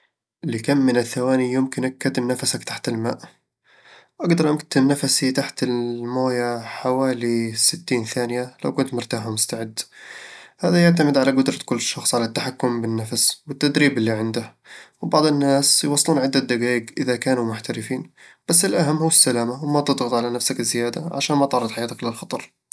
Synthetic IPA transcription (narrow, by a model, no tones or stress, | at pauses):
lɪkamːɪnaθːawaːnijʊmkɪnʔakːat̪ɪmnafasakt̪aħt̪ɪlma̰ːʔ | wʔaɡd̪ɑɾˤʔakt̪ɪmnafasit̪aħt̪ɪlmoːjaħawaːlisɪt̪ːiːnθaːnɪjala̰wkʊnt̪mʊɾt̪aːħmʊst̪aʕɪd̪ː | haːðajaʕt̪amɪd̪ʕalaɡʊd̪ɾˤɑkʊlːʃːɑxsˤʕalat̪ːaħakːʊmbɪnːafaswɪt̪ːad̪ɾiːbɪlːiʕɪnd̪ah | wɪbɑʕd̪ˤɪnːaːsjwɑsˤːluːnʕɪd̪ːad̪aɡaːjɪɡʔɪðakaːnumʊħt̪aɾɪfiːnb̥asːɪlʔaɦamːhuːɪsːalaːmawmat̪ɨd̪ˤɣɑt̪ˤʕalanafsakɪzːɪjaːd̪a̰ʕa̰ʃaːnmat̪ɑʕɾːˤɑd̪ˤħajaːt̪aklɪlxɑt̪ˤɑɾˤ